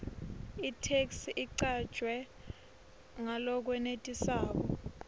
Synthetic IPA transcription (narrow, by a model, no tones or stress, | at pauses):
itʰeksʔiǀad̥ʒ̥ʱwɛ | ŋalɔk̬wɛnetʼisaːk̬ɔ